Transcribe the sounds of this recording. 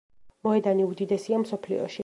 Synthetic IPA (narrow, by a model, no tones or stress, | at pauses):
mɔɛd̪aniud̪id̪ɛsiamsɔpʰlḭɔ̰ʃi